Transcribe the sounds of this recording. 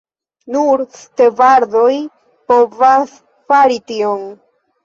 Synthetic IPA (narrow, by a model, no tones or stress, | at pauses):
nuɾstevaɾðo̞j | po̞vas | faɾitio̞n